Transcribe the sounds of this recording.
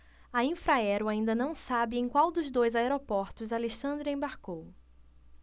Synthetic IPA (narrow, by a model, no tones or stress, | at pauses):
ɐĩfɾaɛɾʊaĩnd̪ɐnɐ̃w̃sabɪẽj̃kwawd̪ʊzd̪ojzaeɾopɔɾt̪ʊzaleʃɐ̃nd̪ɾɪẽbaɾkow